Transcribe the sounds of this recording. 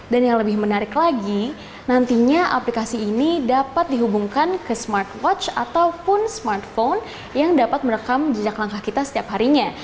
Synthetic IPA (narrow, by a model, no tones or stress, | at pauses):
danjaŋləbɪhmənaɾɪklaɡi | nant̪iɲaʔaplikasiːnidapat̪̚diɦubuŋkankəsmart̪wɔt͡ʃat̪awpʊnsmart̪fon | jaŋdapat̪̚məɾəkamd͡ʒəd͡ʒaklaŋkahkit̪asə̥t̪iapɦaɾiɲa